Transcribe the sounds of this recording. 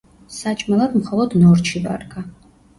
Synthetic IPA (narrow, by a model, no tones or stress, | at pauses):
saːt͡ʃʼmɐlɐtʰʼmχɐlɐdnowrt͡ʃʰiva̰rkʰa